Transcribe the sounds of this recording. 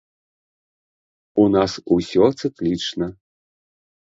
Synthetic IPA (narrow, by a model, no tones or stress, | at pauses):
unasusʲɔt̪sɨklʲit͡ʂnɐ